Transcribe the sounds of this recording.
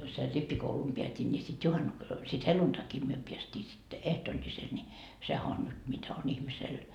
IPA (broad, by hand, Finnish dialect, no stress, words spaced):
ser ripːikoulum peætʲin nʲi sit juhɑnːu sit heluntɑki myø peæstʲiː sitːe ehtoːlʲːisel nʲi sehæ on nyt mitæ on ihmisel